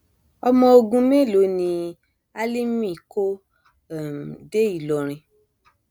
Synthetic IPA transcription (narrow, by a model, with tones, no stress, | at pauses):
ɔ˧mɔ̃˧o˧ɡũ˧mẽ˦˨lo˨˦nĩ˧ | a˦li˦mĩ˦˨ko˦˨ | m˨de˦i˦˨lɔ˨ɾ̃ĩ˧